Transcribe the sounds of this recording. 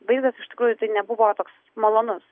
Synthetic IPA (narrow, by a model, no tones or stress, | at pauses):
bɐɪd̪ɐsɪʃt̪ʲɪ̥kɾuːjʊt̪ɐɪnʲɛbʊʋoːt̪oːks | mɐlˠoːnʊs